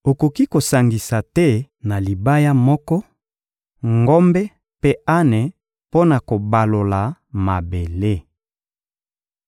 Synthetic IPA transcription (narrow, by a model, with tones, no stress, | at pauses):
o˨ko˨ki˦ko˨sa˨ŋɡi˨sa˨tɛ˦ | na˨li˨ba˦ja˦mɔ˦kɔ˦ | ŋɡɔ˦mbɛ˦ | pe˦a˦ne˨ | po˦na˨ko˨ba˨lo˨la˨ma˨be˨le˦